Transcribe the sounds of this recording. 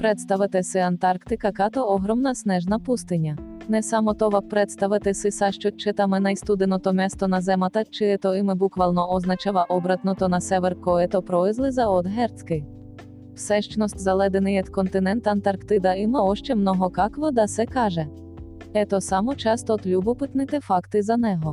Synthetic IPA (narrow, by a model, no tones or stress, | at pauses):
pɾɛt̪st̪ɐʋɪt̪ɪsɪɐnt̪ɑrkt̪ɪkɐkɑt̪ɔɔɦɾɔmnɐsnɛʒnɐpust̪ɪnʲːɐnɛsɑmɔt̪ɔʋɐkpɾɛt̪st̪ɐʋɪt̪ɪsɪsɑʃt͡ʃɔt͡ʃɪt̪amɪnɐjst̪ud̪ɪnɔt̪ɔmʲɛst̪ɔnɐzɛmɐt̪ɐt͡ʃɪt̪ɔɪmɪbukʋɐlˠnɔɔznɐt͡ʃɑʋˠɐʔɔbɾɐt̪nɔt̪ɔnɐsɛʋɛrkɔɛt̪ɔpɾɔɪzlˠɪzɐɔd̪ɦɛrt̪t͡s̪ʲkɪj | wsɛʃt͡ʃnɔsʲt̪ʲzɐlˠɛd̪enɪjɐt̪kɔnt̪ɪnɛnt̪ɐnt̪ɐrkt̪ɪd̪ɐimɔɔʃt͡ʃɛmnɔɦɔkɑkʋɔd̪ɐsɛkɑʒɛ | ɛt̪ɔsɑmɔt͡ʃɑst̪ɔt̪lʲubɔpɪt̪nɪt̪ɪfɑkt̪ɪzɐnɛɦɔ